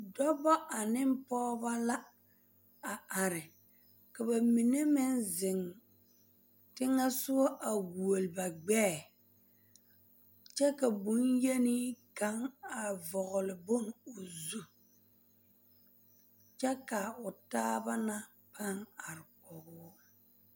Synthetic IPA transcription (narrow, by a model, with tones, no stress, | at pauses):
dɔ˦bɔ˦ʔa˨nɪ˦m˦pɔː˦ba˦la˦ | a˨ʔa˨ɾɪ˨ | ka˨ba˨mi˨ne˦mɪ˦nzɪ˨ŋ | tɪ˦ŋa˦sʊ˦wɔ˦ʔa˨ɡu˨o˨lɪ˨ba˨ɡ͡bɛː˦˨ | t͡ʃɛ˦ka˨bu˨˦nje˦ni˦ka˦ŋa˨vɔ˨ɣʊ˨lɪ˨bo˦ŋʊ˨zu˦ | t͡ʃɛ˦ka˨ʊ˨taː˦ba˦na˦ | pʰa˦ŋa˨ɾɪ˨kɔ˨ɡʊː˦